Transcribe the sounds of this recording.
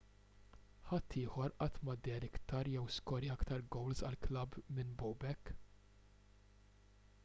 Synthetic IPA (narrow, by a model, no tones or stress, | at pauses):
ħɐt̪ːɪːħɔɾʔɐt̪mɐd̪ɛːɾɪkt̪ɐɾjɛwskɔɾiɐkt̪ɐɾɡɔwlzɐ̰lklɐbmɪnbɔwbɛkː